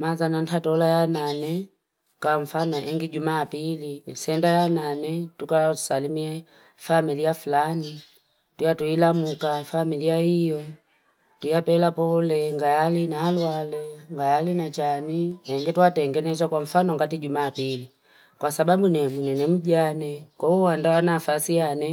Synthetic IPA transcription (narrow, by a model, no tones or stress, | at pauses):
mazanan̩tatɔlajananɛ | kaɱ̩fanɔʔɛŋɡiɟumapilisɛndajananɛtukasalimiɛ | familiafulani | tujatuilamukafamiliaijɔ | tujapɛlapɔlɛŋɡajalinaːlwalɛŋɡajalinat͡ʃaniɛŋɡituatɛŋɡɛnɛt͡ʃakwaɱ̩fanɔŋɡatiɟumaːpili | kwasababunɛmunɛnɛm̩ɟanɛkɔuwandawanafasijanɛ